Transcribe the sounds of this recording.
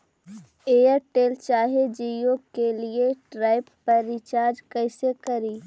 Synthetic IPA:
eːəɾʈeːlt͡ʃaːɦed͡ʒijokelieʈɾaːɪpːɐɾɪt͡ʃaːɾd͡ʒkɛɪsekɐɾiː

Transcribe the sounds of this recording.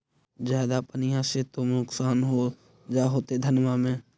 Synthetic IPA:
zjaːd̪apənɪjãset̪omʊksaːnɦo | d͡ʒaːɦoːt̪ed̪ʱənmamẽː

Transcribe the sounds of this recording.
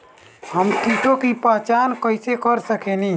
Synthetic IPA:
həmt̪iːʈõkipaːt͡ʃaːnkəɪsekəɾsəkenĩː

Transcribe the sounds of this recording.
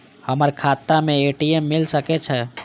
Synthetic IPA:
həməɾkʰat̪ːameeʈiemːilsəkɛt͡ʃʰɛ

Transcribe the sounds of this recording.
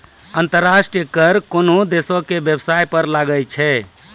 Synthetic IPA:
ənt̪əɾːasʈijəkəɾkonod̪esokebjəbsajpəɾlaɡəlt͡ʃʰɛ

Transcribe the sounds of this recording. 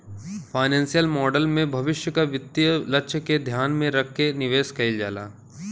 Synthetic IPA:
faːɪnɛ̃ːnsijəlmɔːɖəlmẽbʱɐʋɪʃjəkaʋɪt̪ːjəlɐtːʃʰked̪ʱjaːnmẽɾɐk̚ʰːenɪʋeːskɐɪld͡ʒa̰ːla̰ː

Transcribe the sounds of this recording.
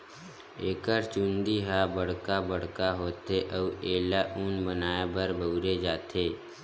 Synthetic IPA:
eːkəɾt͡ʃũnd̪iɦaːbəɽ̤kabəɽ̤kaɦoːt̪eʔəʋeːlaʔunbənaːebəɾbʱəuɾed͡ʒaːt̪ʰeː

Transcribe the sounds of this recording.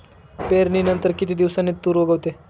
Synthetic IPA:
peɾninənt̪əɾkit̪iːd̪iʋsanet̪ːuːɾʋəɡəʋt̪e

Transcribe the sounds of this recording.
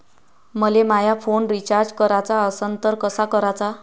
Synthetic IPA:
məlemajafoɳɾit͡ɕaɾd͡zkəɾat͡saəsənt̪əɾkəsakəɾat͡sa

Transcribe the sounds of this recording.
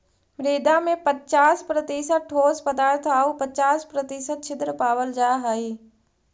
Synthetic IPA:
mɾeːd̪amẽpətt͡ʃaːspɾət̪iːsəʈʰoːspɐd̪aːɾt̪ʰaːupɐt͡ʃaːspɾət̪ɪsət̪t͡ʃʰɪd̪ɾəpaːʋəld͡ʒaːɦaːiː

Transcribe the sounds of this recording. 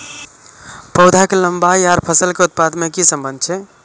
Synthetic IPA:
pəʊd̪ʱakeləmbajaɾpʰəsəlkeut̪̚pad̪mekisəmbənd̪ʱt͡ʃʰɛ

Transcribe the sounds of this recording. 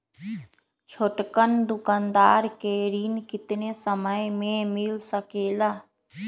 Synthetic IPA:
t͡ʃʰoʈkənd̪ʊkaːnd̪aːɾkeɾiːnkɪt̪nesəməjmẽmɪlsəkeːlaː

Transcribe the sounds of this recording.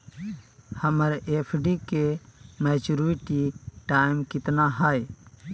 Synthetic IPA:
həməɾeːpʰɖikemɛːt͡ʃuɾuɾiʈiʈaːɪmkɪt̪naɦaj

